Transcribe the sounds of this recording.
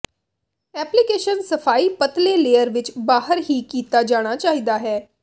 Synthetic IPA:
ɛːplikeːʃənsəpʰaːiːpət̪leːleːjəɾʋɪt͡ʃbaːɦəɾɦiːkiːt̪aːd͡ʒaːɽ̃aːt͡ʃaːɦiːd̪aːɦɛː

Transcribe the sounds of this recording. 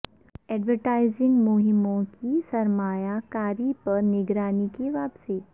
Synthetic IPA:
ɛːɖʋəɾʈaːɪzɪ̃ŋɡmʊɦɪmõkisɐɾmaːjakaːɾipɐɾnɪɡɾaːnikeʋaːpseː

